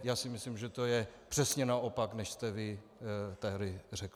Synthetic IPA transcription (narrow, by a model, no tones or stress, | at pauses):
jaːsɪmɪslimʒɛt̪o̞jɛpr̥ɛsɲɛnaʔopaknɛʃst̪ɛvɪt̪ɛɦɾɪrɛk